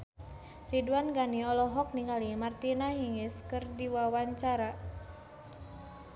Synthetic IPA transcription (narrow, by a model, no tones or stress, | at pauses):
riduanɡaniɔlɔɦɔk̚niŋalimart̪inaɦiŋɪskɨrdiwawaɲt͡ʃaɾa